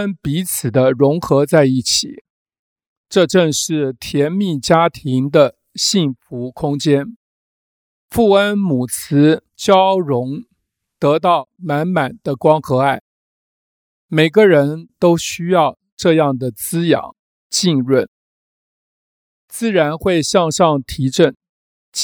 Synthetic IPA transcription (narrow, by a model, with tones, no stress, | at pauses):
ə˥npi˧˥t͡sʰɹ̩˨˩d̪ə˦ɻʊ˧˥ŋxɤ˧˥t͡sa˥˧ɪi˥˩t͡ɕʰḭ˨˩˦ | ʈ͡ʂɤ˥˧ʈ͡ʂə˥˧ŋʂɻ̩˥˩t̪ʰjɛ˧˥nmi˥˩t͡ɕja˥t̪ʰi˧˥ŋd̪ə˧ | ɕi˥˩nfu˧˥kʰʊ˥ŋt͡ɕjɛ˥n | fu˥˩ə˥nmu˨˩t͡sʰɹ̩˧˥ | t͡ɕjɑ˥ʊɻʊ˧˥ŋ | t̪ɤ˧˥t̪ɑ˥˩ʊma˧˥nma˨˩nd̪̥ə˦kwɑ˥ŋxɤ˧˥a˥˩ɪ | me˨˩ɪɡə˧ɻə˧˥nt̪o˥ʊɕy˥jɑ˥˧ʊ | ʈ͡ʂɤ˥˧jɑ˥˩ŋd̪ə˩t͡sɹ̩˥jɑ̰˨˩˦ŋ | t͡ɕi˥˧ŋɻwə˥˩n | t͡sɹ̩˥˩ɻa˧˥nxwe˥˧ɪɕɑ˥˧ŋʂɑ˥˩ŋt̪ʰi˧˥ʈ͡ʂə˥˩n